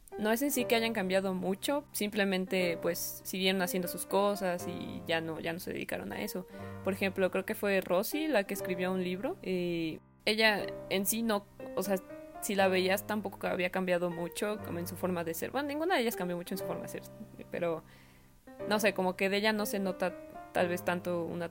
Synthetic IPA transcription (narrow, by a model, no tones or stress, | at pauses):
no̞e̞s̬e̞nsike̞aʝaŋkambjað̞o̞mut͡ʃo̞simple̞mẽnt̪e̞pwe̞sːiɣje̞ɾo̞nasjend̪osusko̞sasḭʝano̞ʝano̞se̞ðḛðḭka̰ɾo̞̰na̰e̞so̞po̞ɾexe̞mplo̞kɾe̞oke̞fwe̞ro̞silake̞ːskɾiβ̞jo̞unliβɾo̞e | e̞ʝaensino̞ | ose̞asilaβe̞iast̪ampo̞ko̞kea̰βiakambjað̞o̞mut͡ʃo̞ko̰moensufo̞ɾmaðe̞seɾβbwenonĩŋɡunaðeʝaskambjo̞mut͡ʃoensu̥fo̞ɾma̰ðeseɾpḛɾo̞ | no̞se̞ko̞moke̞ðeeʝano̞se̞no̞t̪at̪alβe̞st̪ant̪o̞ṵna